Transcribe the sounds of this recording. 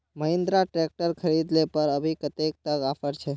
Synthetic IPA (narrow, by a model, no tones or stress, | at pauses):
məɦẽnd̪ɾaʈɾek̚ʈəɾkʰəɾid̪lepəɾəbʱikət̪ek̚t̪əɡafəɾt͡ʃʰe